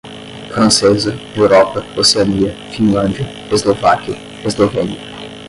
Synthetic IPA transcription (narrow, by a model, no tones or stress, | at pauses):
fɾɐ̃nsezɐewɾɔpɐoseɐniɐfĩnlɐ̃nd͡ʒiɐ | ezlovakʲiɐ | ezlovẽniɐ